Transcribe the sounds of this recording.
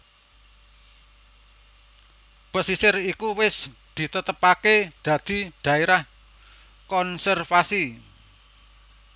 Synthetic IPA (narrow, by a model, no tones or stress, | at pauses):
pəsisɪrikuwɪsd̪̥i̤t̪ət̪əpaked̪̥ä̤d̪̥i̤d̪̥a̤eɾah | kɔnsɛrfasi